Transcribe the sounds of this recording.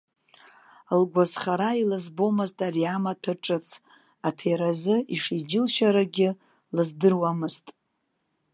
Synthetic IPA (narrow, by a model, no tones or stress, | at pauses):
lɡʷazχaɾailɨzbo̞mɨztʼariamatʰaʈ͡ʂʼɨt͡sʰ | atʰejɾazɨiʂid͡ʒɪlʃaɾaɡʲɪ | lɨzdɨrwamɨztʼ